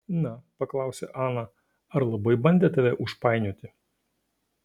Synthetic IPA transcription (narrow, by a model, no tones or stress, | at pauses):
nɐpɐklˠɑˑʊsʲɛ̰ʔɑːnɐ | ɐɾlˠɐbɐɪbɐnʲd̪ʲeːt̪ɐʋʲɛʔʊʃpɑˑɪnʲuːt̪ʲɪ